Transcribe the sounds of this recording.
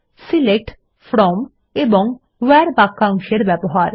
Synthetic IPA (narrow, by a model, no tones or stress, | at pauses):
silek̚ʈ | fɾɔm | eboŋ | wɛɾbakːaŋʃeɾbɛboɦaɾ